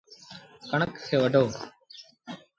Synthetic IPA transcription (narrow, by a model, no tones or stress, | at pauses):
kəɳəksʰeːʋəɖʱoː